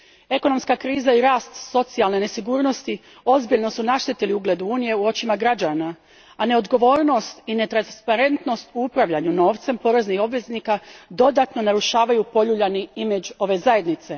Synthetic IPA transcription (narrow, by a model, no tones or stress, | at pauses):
e̞ko̞no̞mskakɾiːzaiɾaːst̪so̞t̪sialˠne̞ne̞siɡuːɾno̞st̪i | o̞zbiʎno̞sunaʃt̪et̪eliuɡle̞d̪uuːnije̞uo̞t͡ɕimaɡɾad͡ʒaːna | ane̞o̞d̪ɡo̞ʋo̞ːɾno̞st̪ine̞t̪ɾanspaɾe̞nt̪no̞st̪uupɾaʋʎaɲuno̞ːʋt̪se̞mpo̞ɾeznixo̞bʋe̞znikad̪o̞d̪at̪no̞naɾuʃaːʋajupo̞ʎuʎaniimed͡ʒo̞ʋe̞zaje̞d̪nit̪se̞